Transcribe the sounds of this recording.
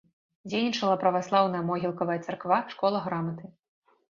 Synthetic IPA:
d͡zʲejnʲit͡ʂɐlˠɐpɾɐvaslˠawn̪ɐjɐmɔɣʲilˠkɐvɐjɐt̪sarkvaʂkɔlˠɐɣɾamɐt̪ɨ

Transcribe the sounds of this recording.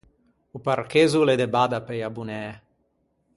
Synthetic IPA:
uparkezuled̪ebad̪apejabunɛː

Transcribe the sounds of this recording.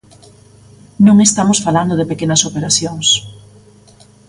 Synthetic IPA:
nũŋest̪amosfaland̪oðepekenɐsopeɾaθjoŋs

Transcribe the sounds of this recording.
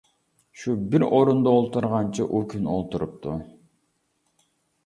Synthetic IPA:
ʃubiɾoɾund̪ɑolˠt̪uɾʁɑnt͡ʃʰɯʔukʰʲyno̰lˠt̪uɾup̚t̪ʰu

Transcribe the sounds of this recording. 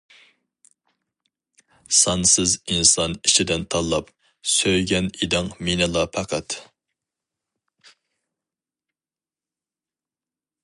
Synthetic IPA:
sɑnsɪzinsɑnit͡ʃʰid̪ɪnt̪ʰɑlˠːɑp̚ | søjɡʲɛnid̪ɪŋminɪlˠɑpʰæqʰæt̪

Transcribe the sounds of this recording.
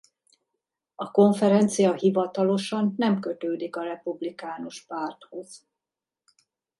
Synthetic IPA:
ɒko̞ɱfɛɾɛnt̪sijɒɦivɒt̪ɒlo̞ʃɒnːɛmkø̞t̪øːd̪ikɒɾɛpublikaːnoʃpaːrt̪ho̞z̥

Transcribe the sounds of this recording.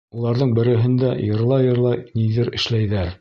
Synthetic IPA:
ulˠɑɾðɤɴbɘ̆ɾɘ̆ɦɘ̆nd̪æjɤ̆ɾlˠɑjɤ̆ɾlˠɑniðɘɾɘ̆ʃlæjðæɾ

